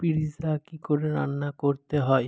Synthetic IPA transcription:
piɾizakikoɾeɾa̰nːakoɾt̪eɦɔe

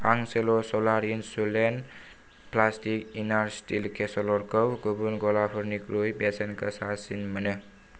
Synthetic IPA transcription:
aŋselosɔlaɾinsulen | plastikinaɾsʈilkʰesɔlɔɾkəwɡubunɡɔlapʰɔɾnikɾujbesenkəsasinmənɯ

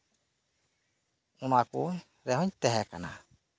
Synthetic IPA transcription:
unaku | ɾɛɦɔɲt̪ɛɦɛkana̰

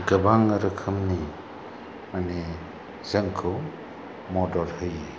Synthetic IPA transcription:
ɡɯbaŋɯɾɯkʰɯmni | mane | z̥əŋkʰɯ | mɔdɔɾhɯji

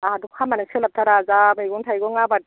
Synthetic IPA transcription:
adukʰamanasʰelatʰaɾazamajɡuntʰajɡɔŋabat̚

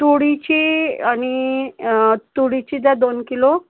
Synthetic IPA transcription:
t̪uɽit͡ɕiaɽ̃i | t̪uɽit͡ɕid̪ad̪onkilo

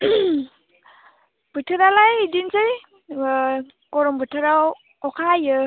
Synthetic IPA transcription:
b̥ɯtʰɯɾalajidinsɯj | kɔɾɔmbɯtʰɯɾaw | ɔkʰajɯ

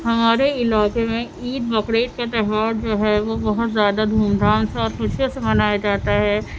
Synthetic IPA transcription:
hɐmaːɾeɪlaːkemẽ | iːd̪bɐkɾeːʈ̚kat̪ɛɦʋaːɾd͡ʒoːɦɛʋobɐɦʊt̪zjaːd̪ad̪ʱuːmd̪ʱaːnseɔːɾxʊt͡ʃʰjẽsemɐnaːjad͡ʒaːt̪aɦɛː

